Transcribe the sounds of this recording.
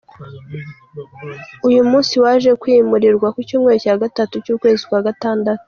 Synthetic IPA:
ujumuːnsiwaːʒe̞kwiːmuɾiɾɡwakucuːmŋe̞ɾocaːɡatatucuːkwe̞ːzikwaːɡataːndatu̥

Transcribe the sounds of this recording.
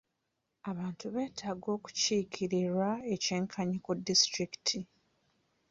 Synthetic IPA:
aβaːntuβe̞ːtʰaːɡo̞ːku̥ciːkʰiɾiɾwaece̞ːŋkʰaɲikudːistɾiki̥tʰi

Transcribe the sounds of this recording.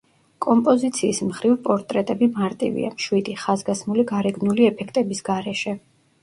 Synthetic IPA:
kʼɔmpʼɔzit̪sʰiːsmχɾivpʼɔɾt̪ʼɾɛt̪ʼɛbimaɾt̪ʼḭvḭa̰mʃwid̪iχazɡasmuliɡaɾɛɡnuliɛpʰɛkʰt̪ʼɛbisɡaɾɛʃɛ

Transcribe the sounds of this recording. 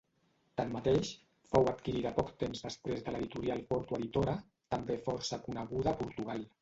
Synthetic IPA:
t̪amːat̪eʃ | fowat̪kiɾiðəpɔkt̪emzðəspɾezðəleðit̪uɾialˠpɔɾt̪uəðit̪oɾə | t̪əmbefɔɾsəkunəɣ̞uðəːpuɾt̪uɣ̞alˠ

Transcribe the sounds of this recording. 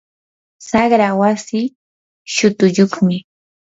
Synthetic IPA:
sɑχɾawasiː | ʃʊt̪ʊʎoχmɪ

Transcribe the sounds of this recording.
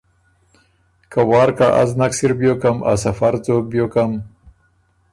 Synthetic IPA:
kawɑːɾkaʔa̰znaksiɾbjokamʔa̰safaɾzoːbjokam

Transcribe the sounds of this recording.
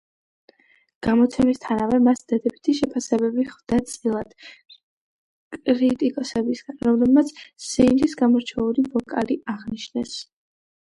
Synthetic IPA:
ɡ̥amɔt̪sʰɛmist̪ʰanavɛmasd̪̥ad̪ɛbit̪ʰiʃɛpʰasɛbɛbiχvd̪̥at̪sʼilˠad̪̥ | kʼɾit̪ʼikʼɔsɛbisɡ̥anɾɔmlɛbmat̪sʰsɛind̪isɡamɔɾt͡ʃʰɛulivɔkʼaliʔaʁniʃnɛs

